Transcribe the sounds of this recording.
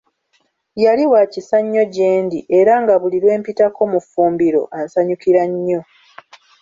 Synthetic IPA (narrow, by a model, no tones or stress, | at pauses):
jaliwacisaɲːo̞ɟe̞ːndiʔeɾaŋɡaβuliɾwe̞ːmpitako̞mufuːmbiɾo̞̰ʔansaɲukiɾaɲːo̞